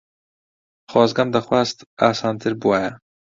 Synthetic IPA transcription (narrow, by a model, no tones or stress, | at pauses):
xɑːzɡɐmd̪ɐxwaːst̪aːsɑːnt̪ʰɨɾbuwajɛ